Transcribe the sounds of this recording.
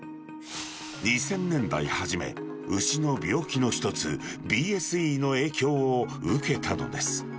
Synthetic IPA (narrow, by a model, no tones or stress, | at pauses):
ɲ̟isẽ̞nːẽ̞nd̪a̰ihaʑime̞̰ | ɯɕino̞bʲo̞ːkʲino̞çi̥t̪o̞t͡sɨbʲiːesɨiːno̞e̞ːkʲo̞ːɯke̞t̪ʰano̞̰d̪e̞sɨ̥